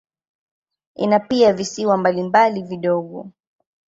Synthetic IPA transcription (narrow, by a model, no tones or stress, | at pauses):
ḭnapiavisiwambalimbaliviɗɔɠɔ